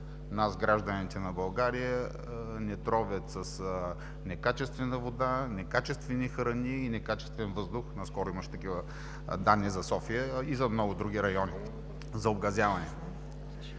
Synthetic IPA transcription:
nazɡɾaʒd̪ənit̪ɛnɐbɐlˠɡaɾijə | nɛt̪ɾɔvʲət̪sɐs | nɛkat͡ʃɛst̪vɛnəvod̪anɛkat͡ʃɛst̪vɛnixɾəniinɛkat͡ʃɛ̥st̪vɛnvɤzd̪ʊxnɐskɔɾʊimɐʃɛ̥t̪ɐkivə | d̪anːizɐsɔfiəizɐmnɔɡʊd̪ɾuɡ̟iɾɐjɔni | zɐobɡɐzʲjavɐnɛ

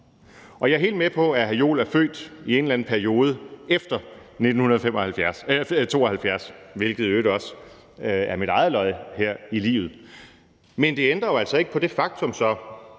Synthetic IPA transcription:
ɒ̽jɑ̈ɐɦe̝̰ld̥mepʰɒ̽æɦæjo̝̰ːlæɐfø̰ːd̥ie̝nlæn̩pʰæɐio̝ːð̞ˠəefd̥ɐne̝d̥n̩hunɐð̞ˠfem̰ɒhælfjæɐst͡sʰo̝ːɒhælfjæɐsʋe̝lɡ̥ð̞̩ˠøːɾ̥ɒ̽s | æɐmiɾ̥ɑ̈ɪð̩ˠlɒ̽ɪheɐ̰ilḭːʊð̩ˠ | mend̥e̝end̥ʁɐjo̝æl̰sɒ̽e̝ɡ̥əpʰɒ̽d̥e̝fɑ̈ɡ̥̚t͡sʰɔ̽msɒ̽

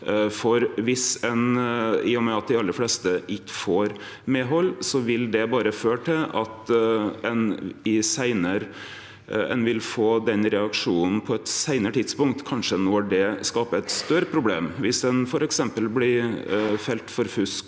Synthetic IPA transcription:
fɔɾʋɪsɛnɪɔmæɑt̪̚d̪ɛɪɑlːəflɛːst̪əʔɪkːə̥foːɾ | meːɦɔlːsɔʋɪld̪ɛbɑːɾəføːʈʰɪlɑt̪ɛnɪsæɪnəɾ | ɛ̰nʋɪlfoːd̪ɛnɾɛɑkʂuːnn̩pʰɔɛt̪sæɪnəɾəʈʰɪd̪spʊŋkt̪kʰɑnʂənɔɖɛskɑːpəɛt̪st̪œɾəpʰɾʊbleːmʋɪsd̪ɛnfɔɾɛksɛmpəlblɪfɛlt̪fɔɾfʉsk

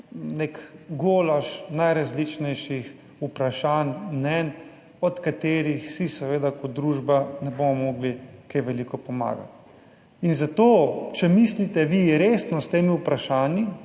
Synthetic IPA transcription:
nekɡoːlaʃnajɾazlit͡ʃnɛjʃix | upɾaʃaːnmnɛn | ɔt̪kat̪eːɾixsisɛʋeːd̪akɔd̪ɾuːʒbanɛbomɔmɔːɡlikejʋɛlikɔpɔma̰ːɡa̰t̪ | inzat̪oːt͡ʃɛmislit̪ɛʋiɾeːsnɔst̪eːmiupɾaʃaːnji

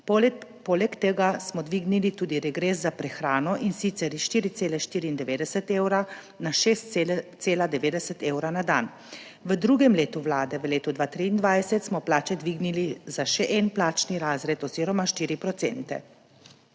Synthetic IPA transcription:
pɔlɛkt̪eɡasmɔd̪ʋiːɡnilit̪uːd̪iɾɛɡɾeːszapɾɛxɾaːnɔʔinsit̪sɛɾiʃt̪iːɾit̪eːlɛʃt̪iːɾiːnd̪ɛʋeːd̪ɛsət̪eːwɾa | naʃeːst̪seːlad̪ɛʋeːd̪ɛsət̪eːwɾanad̪an | ʋəd̪ɾuːɡɛmleːt̪uʋlaːd̪ɛʋəleːt̪ud̪ʋaːt̪ɾiːnd̪ʋajsɛt̪smɔplaːt͡ʃɛd̪ʋiːɡnilizaʃɛʔɛnplaːt͡ʃniɾaːzɾɛt̪ɔziːɾɔmaʃt̪iːɾipɾɔtsɛ̰nt̪ɛ̰

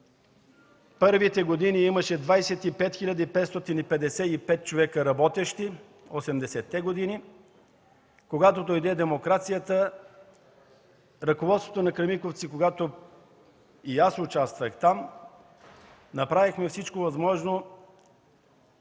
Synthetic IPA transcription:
pɤɾvit̪ɛɡod̪iniiməʃɛd̪vajsɛt̪ipɛt̪xilʲɐd̪ipɛt̪st̪ɔt̪inipɛd̪ɛsɛipɛt̪̚t͡ʃovɛkəɾɐbɔt̪ɛʃt̪i | osɛmd̪ɛsɛt̪ːɛɡod̪ini | koɡat̪od̪ojd̪ɛd̪ɛmokɾat̪sijət̪ə | ɾɐkovɔt̪svo̥t̪onɐkɾɐmikoft̪sikoɡat̪o | iasʊt͡ʃast̪vəxt̪am | nɐpɾavixmɛfsit͡ʃkovɐzmɔʒno

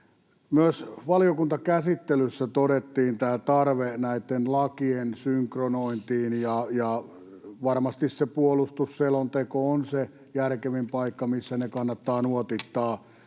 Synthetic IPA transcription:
myøsʋɑliokunt̪ɑkæsit̪ːelysːæt̪oɾet̪ːiːnt̪æːt̪ɑrʋenæit̪ːenlɑkiensyŋkronoint̪iːnjɑjɑ | ʋɑrmɑst̪issepuolust̪usselont̪ekoonse | jærkeʋimpɑikːɑmisːænekɑnːɑt̪ːɑːnuot̪it̪ːɑː

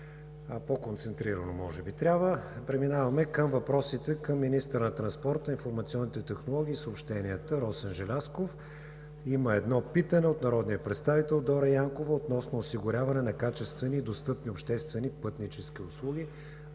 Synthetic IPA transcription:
pokont̪sɛnt̪ɾiɾənomɔʒɛbit̪ɾʲabvəpɾɛminavɐmɛkəmvɐpɾɔsit̪ɛkəmːinist̪əɾnɐt̪ɾɐnspɔɾt̪əinfoɾmɐt̪siɔnːit̪ɛt̪ɛxnolˠɔɡ̟ʲiːsoːpʃt̪ɛnʲiət̪əɾɔsənʒɛlʲaskof | iməɛd̪nɔpit̪ənɛot̪nɐɾɔd̪niəpɾɛt̪st̪avit̪ɛlˠd̪ɔɾɐjaŋkovəot̪nɔsnoːsiɡʊɾʲavɐnɛnɐkat͡ʃɛst̪vɛniːd̪ost̪ɤpniopʃt̪ɛst̪vɛnipɤt̪nit͡ʃɛsk̟ʲiʊslˠuɡ̟ʲi

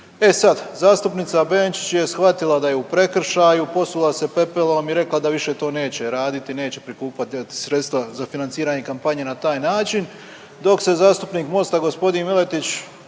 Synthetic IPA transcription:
e̞sad̪zaːst̪upnit̪sabeːnt͡ʃi̥t͡ɕje̞sxʋat̪ilad̪ajeupɾe̞kr̩ʃaːjupo̞sulˠase̞pe̞pelˠo̞miɾe̞klˠad̪aʋiʃe̞t̪o̞ːne̞ːt͡ɕe̞ɾaːd̪it̪ine̞ːt͡ɕe̞̥pɾikuːpat̪t̪i̥sɾe̞t̪st̪ʋazafinant̪siːɾaːɲekampaɲe̞nat̪aːjnaːt͡ʃin | d̪o̞kse̞zaːst̪upniːkmo̞st̪aɡo̞spo̞d̪inmile̞t̪it͡ɕ

